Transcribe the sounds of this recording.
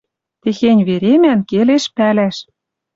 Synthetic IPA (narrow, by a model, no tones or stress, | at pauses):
t̪exenʲβeɾemænkeleʃpælæʃ